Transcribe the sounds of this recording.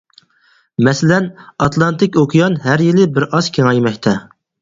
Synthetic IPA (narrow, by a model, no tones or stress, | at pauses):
mɛsɪlɛnɑt̪lˠɑnt̪ɪkʲokʰijɑnɦæɾjilɪbɪɾɑz̥kʲʰeŋɑjmɛkʲt̪ʰɛ